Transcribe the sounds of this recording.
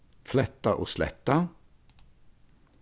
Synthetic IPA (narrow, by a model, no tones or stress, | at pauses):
flɛt̪ːaʔo̰slɛ̰t̪ːa